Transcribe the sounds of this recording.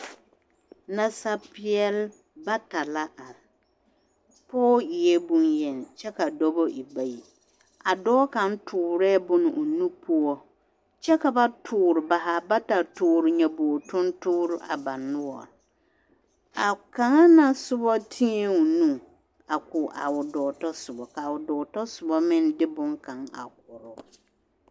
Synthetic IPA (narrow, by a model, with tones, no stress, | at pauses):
na˨sa˨pɪ˦ɛ˦l | ba˦ta˨la˦ʔa˨ | pɔː˦ɪ˨ɛ˦bu˦njɛ˨n˨t͡ʃɛ˦ka˨dɔ˦bɔ˦ʔi˨ba˦˨ji˨ | a˨dɔː˦ka˨n˦tʰʊː˨ɾɛː˦bʊ˦nɪ˨ʔʊ˨nũ˦pʰʊ˦o˦ | t͡ʃɛ˦ka˨ba˦tʰʊː˨˦˨ɾɪ˨ba˨ɦa˨ba˦ta˨tʰʊː˨ɾɪ˨ɲã˨bɔ˨tʰʊ̃˦ntʰʊː˦ɾɪ˦a̰˨ba˨nʊ̃˦wɔ̰˨ | a˨kʰã˨ŋa˦nã˨sʊ˦bɔ˦tʰĩ˦ɛ˨ʊ˨nũ˦ | a˨kʰʊ˨ʔa̰˨wʊ˨dɔː˨tɔ˦sʊ˨bɔ˨kʰa˨wʊ˨dɔː˨tɔ˦sʊ˨bɔ˦mɪ̃˦ndɪ˦bʊ̃˦ŋkʰã˨ŋa̰˨k̚ʊ˨ɾʊ˦